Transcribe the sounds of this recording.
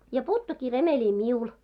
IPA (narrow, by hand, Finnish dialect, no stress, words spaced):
jɑ puːtːukːiː remelʲi miul